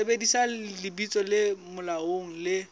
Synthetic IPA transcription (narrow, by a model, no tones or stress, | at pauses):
ebedisalɪbit͡sʼɔlɪmʊlaoŋ̩lɪ